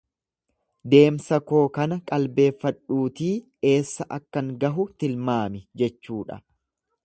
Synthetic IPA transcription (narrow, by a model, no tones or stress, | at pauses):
d̪e̞ːmsɐko̞ːkɐnɐkʼɐlbe̞ːfːɐᶑuːt̪iː | e̞ːsːɐʔɐkːɐŋɡɐɦʊt̪ɪlmaːmɪd͡ʒɛt͡ʃːuːᶑɐ̰